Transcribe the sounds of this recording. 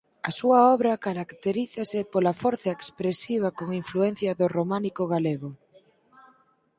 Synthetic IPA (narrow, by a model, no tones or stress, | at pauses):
ɐsuaɔβ̞ɾɐkaɾakt̪eɾiθasɪpolafoɾθɐekspɾesiβ̞akoŋiɱfluen̟θjɐðoromanikoɣ̞aleɣo